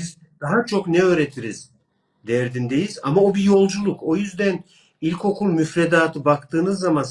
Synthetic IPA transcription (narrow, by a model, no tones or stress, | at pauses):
iz | d̪̥aɦat͡ʃʰo̞knɛø̞ːɾe̞t̪ʰiɾiz̥ | d̪ɛɾd̪ind̪e̞jiza̰maobijo̞lˠd͡ʒulˠukʰo̞jyzd̪æn | ilʲkʰo̞kʰulˠmyfɾed̪aːt̪ʰɯbakt̪ʰɯːnɯzːaman